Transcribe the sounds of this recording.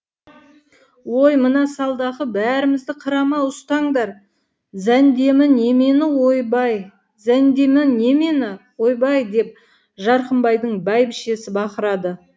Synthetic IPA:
wo̞jmənɑsɑlˠd̪ɑʁəbæɾɪmɪzd̪ɪqʰəɾɑmɑʊst̪ɑɴd̪ɑɾ | zænd̪e̞mɪne̞me̞nɪwojbɑj | zænd̪e̞mɪne̞me̞nɪwo̞jbɑjd̪e̞p̚ | ʒɑɾqəmbɑjd̪əɴbæjbɪʃe̞sɪbɑqəɾɑd̪ə

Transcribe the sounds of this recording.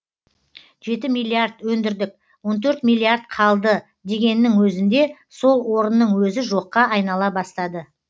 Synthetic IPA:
ʒe̞t̪ɪmijlʲːiard̪wɵnd̪ɪɾd̪ɪk̚ | wo̞nt̪ʰɵɾt̪mijlʲˠːiaɾt̪̚qʰɑlˠd̪ə | d̪e̞ɡʲe̞nːɪŋwɵzɪnd̪e̞so̞lˠwo̞ɾənːəɴwɵzɪʒo̞qːɑɑjnɑlˠɑbɑst̪ɑd̪ə

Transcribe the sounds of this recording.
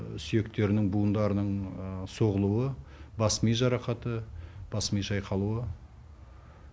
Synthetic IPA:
sʏje̞kt̪e̞ɾɪnɪŋbuənd̪ɑɾənəɴso̞ʁəlˠuwəbɑsmijʒɑɾɑqɑt̪əb̥ɑsmijʃɑjqʰɑlˠuə

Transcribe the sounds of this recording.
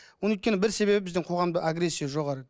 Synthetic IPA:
wonjt̪kʲeɪbɪɾse̞be̞bɪbɪzd̪ɪɴqʰo̞ʁɑmd̪əʔaɡɾe̞sʲːijaʒo̞ʁɑɾə

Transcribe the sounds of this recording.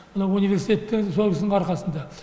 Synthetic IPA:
mənɑwunive̞ɾsit̪ʲe̞t̪ːɪŋsolˠkʰʲɪsd̪ɴɑɾqɑsənd̪ɑ

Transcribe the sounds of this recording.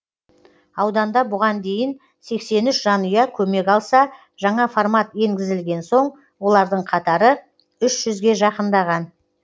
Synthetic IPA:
ɑwd̪ɑnd̪ɑbʊʁɑnd̪e̞jɪn | se̞kse̞nʏʃʒɑnʊjɑkʲʰɵme̞kɑlˠsɑ | ʒɑɴɑformɑt̪je̞ŋɡʲɪzɪlɡʲe̞nso̞ɴ | wo̞lˠɑɾd̪əɴqʰɑt̪ɑɾə | ʏʃʒ̥ʏzɡʲe̞ʒɑqənd̪ɑʁɑn

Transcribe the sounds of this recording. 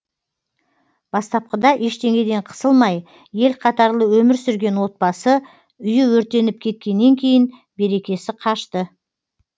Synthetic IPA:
b̥ɑst̪ɑp̚qəd̪ɑʔeʃt̪e̞ŋʲe̞d̪e̞ɴqʰə̥səlˠmɑj | je̞lqʰɑt̪ɑɾlˠəwɵmɪɾsʏɾɡʲe̞nwo̞t̪̚bɑsə | ʏjɪwɵɾt̪e̞nɪp̚kʲʰe̞t̪̚kʲe̞nːe̞ŋkʲʰe̞jɪn | be̞ɾe̞kʲe̞sɪqʰɑʃt̪ə

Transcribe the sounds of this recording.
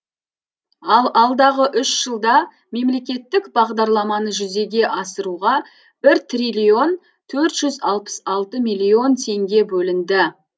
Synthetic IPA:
ɑlˠɑlˠd̪ɑʁəʔʏʃʒ̥əlˠd̪ɑ | me̞mle̞kʲe̞t̪ːɪkbɑʁd̪ɑɾlˠɑmɑnəʒʏze̞ɡʲe̞ʔɑsəɾuʁɑ | b̥ɪɾt̪rijlʲio̞n | t̪ʰɵɾt̪ʒ̥ʏzɑlˠpə̥sɑlˠt̪əmijlʲio̞nt̪ʰe̞ŋɡʲe̞bɵlɪnd̪ɪ

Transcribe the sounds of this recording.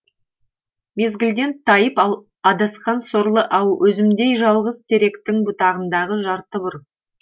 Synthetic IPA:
me̞zɡʲɪlɡʲe̞nt̪ʰɑjəpɑlˠ | ɑd̪ɑsqɑnsoɾlˠəʔɑwwɵzɪmd̪e̞jʒɑlˠʁəzt̪ʰe̞ɾe̞kt̪ɪŋbʊt̪ɑʁənd̪ɑʁəʒɑɾt̪əbʊɾ

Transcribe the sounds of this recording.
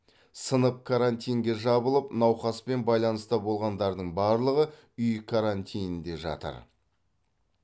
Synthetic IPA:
sənəp̚kʰaɾant̪ijŋɡʲe̞ʒɑbəlˠəpnɑwχɑspe̞nbɑjlˠɑnəst̪ɑbo̞lˠʁɑnd̪ɑɾd̪əɴbɑɾlˠəʁə | ʏjkʰaɾant̪ʲʰijnnd̪e̞ʒɑ̰t̪ə̰ɾ

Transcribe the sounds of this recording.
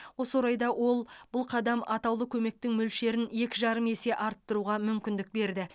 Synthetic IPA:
wo̞swoɾɑjd̪ɑwo̞lˠbʊlˠqʰɑd̪ɑmɑt̪ɑwlˠəkʲʰɵme̞k̚t̪ɪŋmɵlʃe̞ɾɪne̞kʲɪʒɑɾəme̞se̞ʔɑɾt̪ːəɾuʁɑmʏmkʲɪnd̪ɪk̚be̞ɾd̪ɪ

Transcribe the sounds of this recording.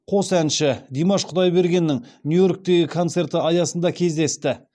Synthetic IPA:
qʰo̞sænʃɪd̪emɑʃqʰʊd̪ɑjbe̞ɾɡʲe̞nːɪŋnjujo̞ɾk̚t̪e̞ɡʲɪkʰo̞nt̪se̞ɾt̪əɑjɑsənd̪ɑkʲʰe̞zd̪e̞st̪ɪ

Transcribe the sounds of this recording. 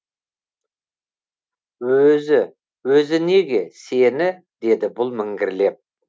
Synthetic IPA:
wɵzɪ | wɵzɪne̞ɡʲe̞senɪ | d̪e̞d̪ɪbʊlˠmɪŋɡʲɪɾle̞p̚

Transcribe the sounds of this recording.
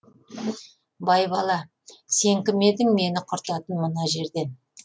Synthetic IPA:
bɑjbɑlˠɑ | se̞ŋkʲɪme̞d̪ɪŋme̞nɪqʰʊɾt̪ɑt̪ənmənɑʒe̞ɾd̪e̞n

